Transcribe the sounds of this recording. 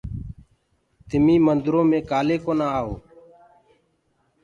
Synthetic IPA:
t̪ɪmĩːmənd̪ɾõːmẽːkaːleːkoːnaːaːɦoː

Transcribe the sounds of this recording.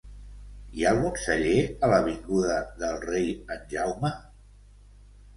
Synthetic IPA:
ialˠɣunsəʎeələβiŋɡuðəðəlˠrejənʲʒawmə

